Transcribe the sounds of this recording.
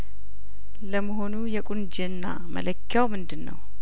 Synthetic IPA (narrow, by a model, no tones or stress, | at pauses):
ləməɦo̞nujɛkʼund͡ʒɪnːa | mə̰ləkʰːjawmɨnd̪ɨnːə̰w